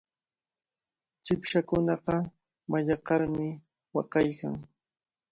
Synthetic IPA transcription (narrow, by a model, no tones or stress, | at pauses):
t͡ʃɪpʃakʊnɑqɑ | maʎɑqɑɾmɪ | wɑqɑjka̰ŋ